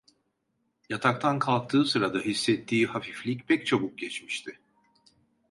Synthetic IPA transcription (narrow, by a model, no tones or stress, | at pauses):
jat̪ʰak̚t̪ʰankʰalˠk̚t̪ʰɯːsɯɾad̪aɦisːɛt̪ʰːiːhafiflʲicpʰɛc̚t͡ʃʰabuk̚ɟɛt͡ʃmiʃt̪ʰɪ